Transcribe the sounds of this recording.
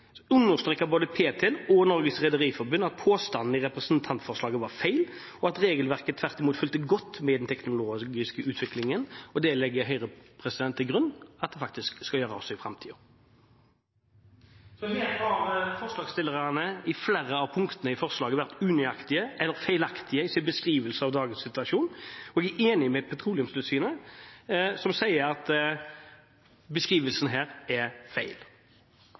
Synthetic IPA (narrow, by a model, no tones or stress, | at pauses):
ʉnːəʁst̪ɾɛkːɑboːd̪əpʰeːt̪ʰɛːlɔnɔɾɡəsʁɛd̪əʁiːfɔɾbʉnɑt̪̚pʰoːst̪ɑnn̩ɪʁɛpʁɛsnt̪ʰɑnt̪fɔʁʂlɑːɡəʋɑʁfæɪl | ɔɑt̪ɾeːɡəlʋæʁkət̪ʰʋæʁt̪ɪmuːt̪fʏlt̪əɡɔt̪ːmɛd̪ɛnt̪ʰɛknʊloːɡɪskəʉːt̪ʰʋɪklɪŋənɔd̪ɛlɛɡːəɦœʏʁəpʰʁɛsɪd̪ɛnt̪ʰːɪlɡʁʉnːɑt̪̚d̪ɛfɑk̚t̪ɪskskɑljøːɾəɔsːɔɪfɾɑmt̪ʰiːɔ | sɔɛʋeːt̪ɑfɔʁslɑːɡst̪ɪlːəʁɑnəɪfleːɾəɑʋpʰʊŋkt̪ənəɪfɔʁslɑːɡəʋæʁt̪ʉːnʏɑkt̪ɪəʔɛlːəɾfæɪlɑkt̪ʰɪəɪsɪnbəskʁiːʋəlsəɑʋd̪ɑːɡənsɪt̪ʉɑʃuːnɔɛɡæʔeːnɪmɛpʰɛt̪ʰʁuːlɪʉmst̪ʉsyːnə | sɔmsæɪəɾɑt̪ | bəskʁiːʋəlsn̩ɦæːɾɛfæɪl